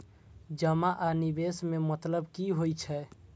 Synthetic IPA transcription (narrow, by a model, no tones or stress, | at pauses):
d͡ʒəmaʔanibesmemət̪ləbkiɦojt͡ʃʰɛ